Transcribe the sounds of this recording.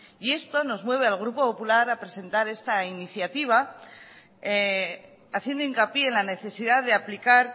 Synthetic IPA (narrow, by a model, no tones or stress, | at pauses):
ie̞st̪o̞no̞zmwe̞β̞e̞alɣ̞ɾupo̞po̞pulaɾapɾe̞se̞nt̪aɾe̞st̪ainiθjat̪iβ̞a | aθje̞nd̪o̞iŋkapje̞enlane̞θe̞siðaððeaplikaɾ